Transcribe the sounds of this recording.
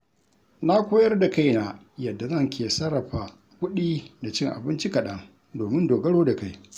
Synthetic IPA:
na˦kʷoː˦jɐ˦rda˨ka˦˨jna˨ | jɐ˨dːa˨zɐ˦˨ŋkʰʲeː˨sɐ˦ɽɐ˨ɸa˨ | kʷʊ˦ɗiː˦da˨t͡ʃɪ˦ŋʔa̰˨bɪ˦nt͡ʃi˦kɐ˨ɗɐ˦ŋ | doː˨mɪ˦ndoː˨ɡɐ˦ɽoː˦da˨ka˦˨j

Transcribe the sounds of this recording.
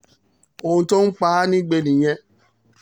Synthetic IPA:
o˧˨ũ˧to˦n̩˦k͡pa˦nĩ˦ɡ͡be˧˨nĩ˨j̃ɛ̃˧

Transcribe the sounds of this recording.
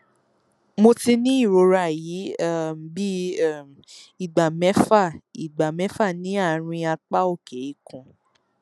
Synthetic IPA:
mo˧ti˧nĩ˦i˦˨ɾo˨˧ɾa˧˨ji˨˦˨m˨bi˦˨m | i˦˨ɡ͡ba˨mɛ̃˨˦fa˦˨i˨ɡ͡ba˨mɛ̃˨˦fa˦˨nĩ˨˦a˦˨ɾ̃ĩ˧a˧k͡pa˦o˦˨ke˨i˦kũ˧˨

